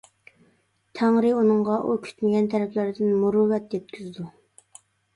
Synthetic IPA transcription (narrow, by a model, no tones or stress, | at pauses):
t̪ʰæŋɾɪunɨŋʁɑʔukʲʰy̥t̪mɪɡʲɛnt̪ʰɛɾɛpʰlæɾd̪ɪnmuɾʊwɛt̪jɛt̪̚kʲʰyzd̪u